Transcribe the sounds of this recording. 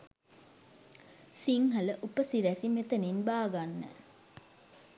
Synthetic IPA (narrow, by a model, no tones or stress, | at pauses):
siŋɦələʔupəsiɾæsimet̪əninbaːɡanːə̰